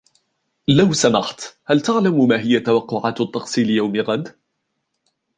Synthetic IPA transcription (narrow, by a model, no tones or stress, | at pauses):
lawsamɑħt̪halt̪aʕlammaːɦɪjːat̪awɑqːʊʕaːt̪t̪ˤːɑqsiːlɪjawmɪɣad̪